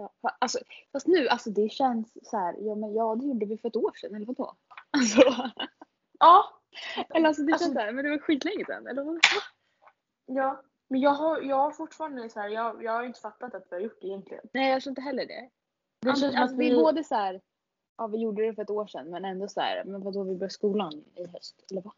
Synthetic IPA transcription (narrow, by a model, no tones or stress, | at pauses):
jɑːfaʔalsɔfast̪nʉ̟ːʔalsɔd̪ɛɕɛnsːæːɾjɑːmɛnjɑːd̪ɛjuːɖːəvɪfœɾɛt̪oːʂɛnːɛlːəɾvad̪o̰ː | alsɔ | ʔɑː | ɛlːəɾals̬ɔd̪ɛɛsæːɾmɛnd̪ɛvaɾɧiːt̪lɛŋːəsɛ̰nɛlːəɾa | jɑː | mɛnjɑːɡɦaɾjɑːɡhaɾfʊʈːfɑːɾand̪əsæːɾjɑːjɑːɡhajʏɪnt̪əfat̪ːat̪at̪vɪhaɾjʊʈ̚ːɖɛjɛnk̪lɪ̰ɡə̰nnɛːjhat̪ːɾɪnt̪əɦɛlːəɖɛ̰ | d̪ɛɛnsɔmasd̪ɪboːd̪əsæːɾ | ʔɑːvɪjuɖːəd̪ɛfœɾɛt̪oːʂɛ̰nːmɛnɛnd̪ɔsæ̰ːɾmɛnvad̪ɔvɪbœːskuːlanɪɦœst̪ɛlːəɾva